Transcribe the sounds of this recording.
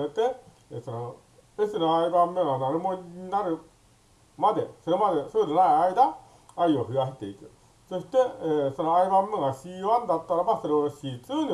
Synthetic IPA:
et̪e̞ | esono | esɨnoaibãmːeɡanaɾɯmo̞ɲʲɲinaɾɯ̟ | mad̪e̞so̞ɾe̞mad̪e̞sononaiaid̪aː | io̞ɸɯ̟aɕi̥t̪e̞ikɯ̟ | so̞ɕi̥t̪e̞ːso̞noaibãmːeɡaɕiːβãnd̪at̪ːaɾabaso̞ɾe̞oɕiːt͡sɨːni

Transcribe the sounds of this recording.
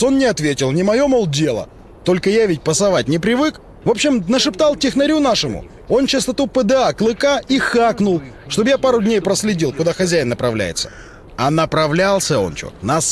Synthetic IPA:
o̞nnʲɪɐt̪vʲetʲɪlˠnʲɪmɐjo̞molˠdʲe̞lˠə̰ | t̪o̞lʲkəjavʲɪt̚ʲpəsɐvat̚ʲnʲɪpɾʲɪvɨk | vo̞pɕːɪmnəʂɨpt̪alˠtʲɪxnɐɾʲunaʂɨmʊ̰ | o̞nt͡ɕɪst̪ɐt̪upəd̪ɨaklˠɨkaixaknʊlˠ | ʂt̪o̞bjapaɾʊdʲnʲejpɾəsʲlʲɪdʲilˠkʊd̪axɐzʲæjɪnːəpɾɐvlʲæ̰jɪ̰t̪sə̥ | ɐnəpɾɐvlʲalˠsʲəo̞̰nt͡ɕo̰tnas

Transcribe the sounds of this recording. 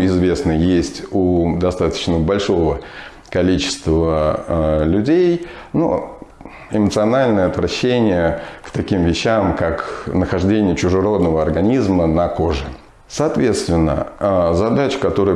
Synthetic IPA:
ɪzvʲe̞snəjesʲtʲud̪ɐst̪at̪ə̥t͡ɕnəbɐlʲʂo̞və | kɐlʲit͡ɕɪ̥st̪və | lʲʊdʲejno̰ | ɪmət̪sɨɐnalʲnəjəɐt̪vɾɐɕːenʲɪjəkt̪ɐkʲimvʲɪɕːamkaknəxɐʐdʲenʲɪjət͡ɕʊʐɨɾo̞d̪nəvəɐrɡɐnʲizmənɐko̞ʐɨ | sɐːt̪vʲe̞t̪st̪vʲɪnːə̰zɐd̪at͡ɕɪ̥kɐt̪o̞ɾə

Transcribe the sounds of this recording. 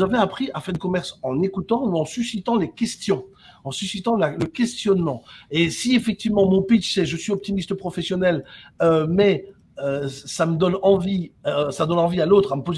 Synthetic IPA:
zavɛapχiafɛʁd̪əkɔmɛʁsɑ̃nekut̪ɑ̃uɑ̃sysit̪ɑ̃lekʲɛst̪jɔ̃ | ɑ̃sysit̪ɑ̃laləkʲɛst̪jɔnmɑ̃esiefɛk̚t̪ivmɑ̃mɔ̃pit͡ʃsɛʒəsɥiɔp̚t̪imist̪əpχɔfɛsjɔnɛlømɛ | øsaməd̪ɔnɑ̃visad̪ɔnɑ̃vialot̪χaməpoz

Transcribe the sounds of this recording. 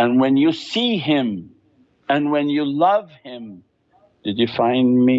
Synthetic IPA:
ɨ̃nwɛ̃njɨsiɪ̃m | ɨ̃nwɛ̃njɨlʌv̥hɪ̃m | d̥ɨd͡ʒɨfãɪ̃nmi

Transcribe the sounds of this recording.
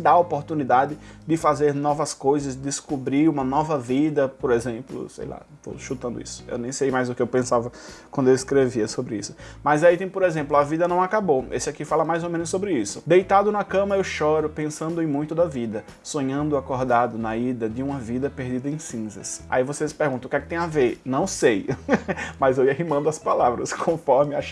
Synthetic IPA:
d̪aopoɾt̪unid̪ad̪ɪd̪ɪfazeɾnɔvɐskojzɐsd̪ɪskubɾiɾũmɐnɔvɐvid̪ɐpoɾezẽmplʊ̰sḛjla̰ | t̪o̰ʃut̪ɐ̃nd̪ʊ̰ḭsʊ̥ḛwnẽj̃sejmajzʊkɪewpẽsavɐkwɐ̃nd̪ʊewiskɾeviɐsobɾɪisʊ̥mɐjzait̪ẽj̃poɾezẽmplʊɐvid̪ɐnɐ̃w̃akaboesɪakifalɐmajzomẽnʊsːobɾɪisʊd̪ejt̪ad̪ʊnɐkɐ̃mɐewʃɔɾʊpẽsɐ̃nd̪ʊẽj̃mũj̃t̪ʊd̪ɐvid̪ɐ | sõɲɐ̃nd̪ʊakɔɾd̪ad̪ʊnɐid̪ɐd̪ɪũmɐvid̪ɐpeɾd̪id̪ɐẽj̃sĩzɐsa̰ivosespeɾɡũt̪ɐ̃kɛkɪt̪ẽj̃avenɐ̃w̃sej | mɐzewiaɦimɐ̃nd̪ʊɐspalavɾɐ̰skʰõfɔɾmɪaʃ

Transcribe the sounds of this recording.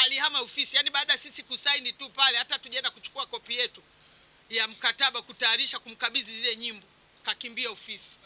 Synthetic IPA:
aliɦamaɔfisijaniɓaːɗajasisikusainitupalɛhatatuʄaɛndakut͡ʃu̥kuakɔpijɛtu | jam̩kataɓakutajaɾiʃakum̩kaɓizizilɛɲimbɔ | kakimbiaɔfisi̥

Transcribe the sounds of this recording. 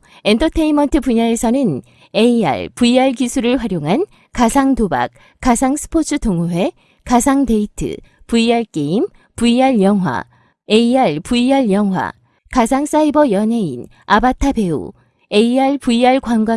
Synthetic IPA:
e̞ntʰʌtʰeinmʌntʰɯpuɲaesʰʌnɯn | e̞ia̰ɭpuiaɭkisʰuɾɯɭɸwaɾjoŋɦan | kasʰaŋtoba̰k̚ | k͈ːasʰaŋsʰɯ̥pʰot͡ɕʰɯtoŋuɦe̞ | kasʰaŋde̞itʰɯ̰ | puiaɭk͈e̞im | puiaɭjʌŋwa̰ | e̞iaɭpuiaɭjʌŋɦwa̰ | kasʰaŋs͈aibʌjʌne̞in | abatʰabe̞ṵ | e̞iaɭpuiaɭkwanɡwa

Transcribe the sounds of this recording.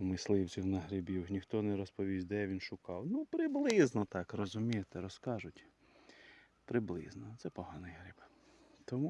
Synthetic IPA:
mɪslˠɪwt͡sʲiwnɐɦɾɪbʲiwnʲixt̪ɔnɛɾɔspɔʋʲizʲd̪ɛʋʲinʃʊkɑwnupɾɪblˠɪznɔt̪ɑkɾɔzʊmʲijet̪ɛɾɔskɑʒʊtʲ | pɾɪblˠɪ̰znɔt̪sɛpɔɦɑnɪjɦɾɪb | t̪ɔmu

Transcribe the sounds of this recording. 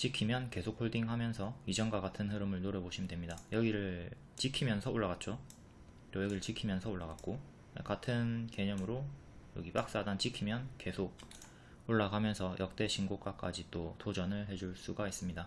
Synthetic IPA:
t͡ɕ͈ikʰimjʌnke̞sʰok̚ʰoɭdiŋɦamjʌnsʰʌid͡ʑʌnɡwaɡatʰɯnɦɯɾɯmɯɭnoɾʌboɕʰimdwe̞mɲidajʌɡiɾɯɭ | t͡ɕikʰimjʌnsʰʌoɭːaɣat̚t͡ɕ͈o | jʌjʌɡiɾɯɭt͡ɕikʰimjʌnsʰʌoɭːaɡat̚k͈o | ḛkatʰɯnke̞ɲʌmɯɾo | jʌɡip͈ak̚s͈adant͡ɕikʰimjʌnke̞sʰok̚ | oɭːaɡamjʌnsʰʌjʔʌk̚t͈e̞ɕʰinɡok͈ak͈ad͡ʑit͈otod͡ʑʌnɯɭɦe̞d͡ʑuɭs͈uɡais͈ɯmɲida

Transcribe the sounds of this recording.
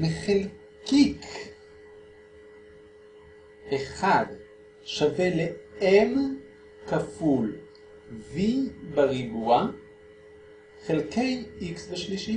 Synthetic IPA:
meχel | kik | ʔeχad | ʃaveleem | kaful | vibaʁibua | χelkejiksbeʃliʃi

